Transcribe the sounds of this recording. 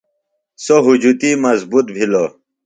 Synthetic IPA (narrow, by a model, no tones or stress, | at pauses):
soɦud͡ʑut̪imɐzbut̪̚bʱilo